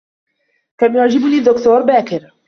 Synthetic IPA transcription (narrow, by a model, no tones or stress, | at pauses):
kamjʊʕd͡ʒɪbniːd̪ːʊkt̪uːɾˤbaːkɪɾ